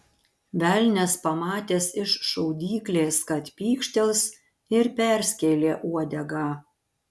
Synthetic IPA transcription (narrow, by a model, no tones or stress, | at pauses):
ʋʲælʲnʲɛspɐmɑːt̪ʲeːsɪʃʃɐʊd̪ʲiːklʲeːskɐt̪pʲiːkʃʲt̪ʲɛlˠs | ɪɾpʲæɾʲsʲkʲeːlʲeːʔuɔd̪ʲɛɡɑː